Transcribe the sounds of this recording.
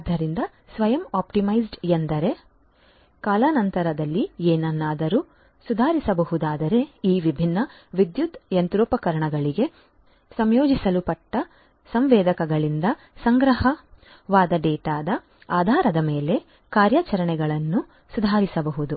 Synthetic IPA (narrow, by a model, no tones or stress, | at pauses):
d̪ʱɐɾind̪ɐ | sʋɐjɐmaːpʈimɐjsɖend̪ɐɾe̞ | kaːlaːnɐnt̪ɐɾɐd̪ɐlːieːnɐnːaːd̪ɐɾu | sud̪ʱaːɾisɐbɐɦud̪aːd̪ɐɾe̞iːʋibʱinːɐ | ʋid̪jud̪jɐnt̪ɾuːpɐkɐɾɐɳɐɡɐɭiɡe̞ | sɐmjoːd͡ʒisɐlupɐʈːɐ | sɐmʋɛːd̪ɐkɐɡɐɭind̪ɐ | sɐŋɡɾɐɦɐ | ʋaːd̪ɐɖɛːʈaːd̪ɐ | aːd̪ʱaːɾɐd̪ɐmeːle̞ | kaːɾjɐt͡ʃɐɾɐɳɛɡɐɭɐnːu | sud̪ʱaːɾisɐbɐɦud̪u